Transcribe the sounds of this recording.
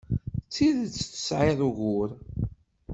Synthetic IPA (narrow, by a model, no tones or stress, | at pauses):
t͡sːiðt͡sːθə̥sʕɪðˤuɣʊɾ